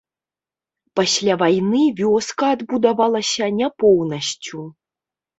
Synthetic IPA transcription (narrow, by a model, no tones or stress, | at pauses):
pasʲlʲavajnɨvʲɔskɐːd̪bud̪avalˠɐsʲɐnʲapɔwnɐɕt͡sʲu